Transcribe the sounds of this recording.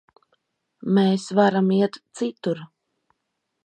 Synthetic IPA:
meːsvaɾamiɛt̪t̪sit̪uɾ

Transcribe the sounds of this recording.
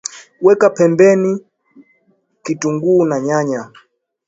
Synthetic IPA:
wɛkapɛmbɛni | kituŋɡuːnaɲaɲa

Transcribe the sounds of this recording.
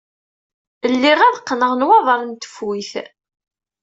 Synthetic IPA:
əlːiʁæðqːnəʁnwɑðˤɑɾˤnt̪ə̥fwiθ

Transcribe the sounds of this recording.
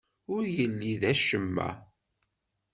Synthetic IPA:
ʊɾjəlːiðæʃəmːæ̰

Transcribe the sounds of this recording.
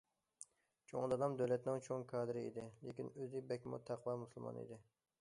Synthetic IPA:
t͡ʃʰo̰ŋd̪ɑd̪ɑmd̪øwlɛt̪nɪŋt͡ʃʰoŋkʰɑːd̪ɨɾɪid̪ɪlekʲinøzɪbɛkʲmṵt̪ʰːæqʰwɑmuslˠmɑ̰nḭd̪ɪ

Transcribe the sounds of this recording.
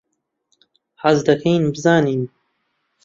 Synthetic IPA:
ħazd̪ɐkʰɐjnbɨzaːniːn

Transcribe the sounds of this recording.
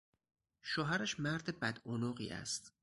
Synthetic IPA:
ʃoɦæɾæʃmæɾd̪ebæd̪onoɢḭːʔæ̰st̪

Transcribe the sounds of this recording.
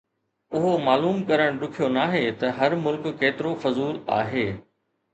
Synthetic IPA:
ʊɦomaːluːmkɐɾəɽ̃ɗʊkʰijonaːɦet̪ɐɦɐɾmʊlkːeːt̪ɪɾofɐzuːla̰ːɦeː

